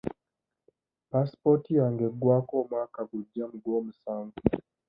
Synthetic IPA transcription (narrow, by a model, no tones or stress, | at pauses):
paspɔtijaŋɡɛɡwakɔmakaɡud͡ʒam̩ɡɔm̩saŋɡu